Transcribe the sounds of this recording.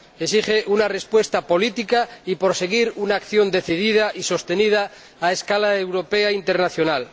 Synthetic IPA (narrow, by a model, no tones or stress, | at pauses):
esiχeʔunare̞spwe̞st̪apo̞lit̪ikaipoɾse̞ɣiɾunaːkθjo̞nd̪e̞θið̞iðaʔiso̞st̪enið̞aː | eskalaewɾo̞peaint̪e̞ɾnaθjo̞nal